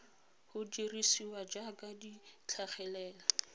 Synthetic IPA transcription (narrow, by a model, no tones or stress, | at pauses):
hʊdirisiwad͡ʒakʼadit͡ɬʰaχɛlɛːla